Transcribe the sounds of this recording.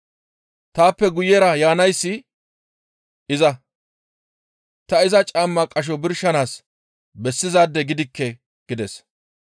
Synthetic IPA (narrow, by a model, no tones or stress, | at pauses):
t̪aːpːɛɡʊjɛɾɐjaːnɐjsːɪ | ɪzɐ | t̪ɐɪzɐt͡ʃʼaːmːɐkʼɐʃ̬ɔbɪɾʃɐnaːs | bɛsːɪzaːd̪ːɛɡɪd̪ɪkːɛ | ɡ̥ɪd̪ɛs